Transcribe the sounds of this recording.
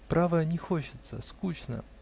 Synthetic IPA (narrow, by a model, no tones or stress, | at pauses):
pɾavəjənʲɪxot͡ɕɪt̪sə̰skut͡ɕnə̰